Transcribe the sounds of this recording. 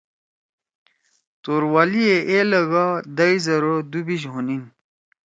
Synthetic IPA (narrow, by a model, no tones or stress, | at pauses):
t̪oːɾwalieʔelɐɡad̪ɐizɐɾod̪ubiɕɦunin